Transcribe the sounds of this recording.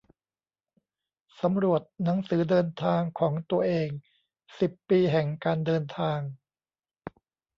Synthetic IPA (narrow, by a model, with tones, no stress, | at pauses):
sa˩˦mɾu˨˩ət̪̚na˩˦ŋsɯː˩˦dɤː˧nt̪ʰaː˧ŋkʰɔː˩˦ŋt̪u˧ɐʔeː˧ŋ | si˨˩pːiː˧ɦɛ˨˩ŋkaː˧ndɤː˧nt̪ʰaː˧ŋ